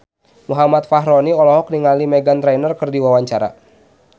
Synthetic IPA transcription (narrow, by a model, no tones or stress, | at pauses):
muɦamat̪̚faɦɾɔniɔlɔɦɔk̚niŋalimɛɡant̪ɾɛjnərkɨrdiwawaɲt͡ʃaɾa̰